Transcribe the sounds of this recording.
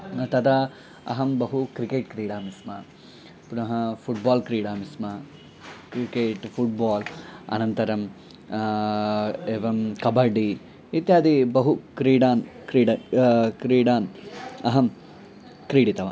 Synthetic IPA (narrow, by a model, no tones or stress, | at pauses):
t̪ɐd̪ɐ | ɐ̰ɦɐmbɐɦukɾikeːʈkɾiːɽaːmismɐ | punɐɦɐpʰuʈbaːlkɾiːɽaːmismɐ | kɾikeːʈpʰuʈ̚baːlɐ̰nɐnt̪ɐɾɐm | eːʋɐmkɐbɐɖi | it̪jaːd̪ibɐɦukɾiːɖaːnkɾiːɖɐkɾiːɽaːnɐɦɐm | kɾiːɽit̪ɐʋa̰ːn